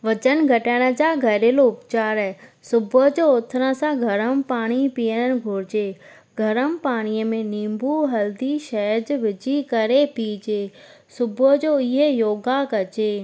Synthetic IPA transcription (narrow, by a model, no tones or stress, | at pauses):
ʋɐt͡ɕənɡʱɐʈəɽ̃ə̆d͡ʑaːɡʱɐɾeːloʊpt͡ɕaːɾɦesʊbʊd͡ʑoːʊt̪ʰɾə̃sãɡʱɐɾəmpaːɽ̃ipijəɽ̃ənɪ̆ɡʱʊːɾɪd͡ʑe | ɡʱɐɾəmpaːɽ̃iːəmẽnĩːmbʱuɦɐld̪iʃɐəd͡ʑʋɪd͡ʑikɐɾepid͡ʑeː | sʊbʱəd͡ʑoːɪɦejoːɡakɐt͡ɕeː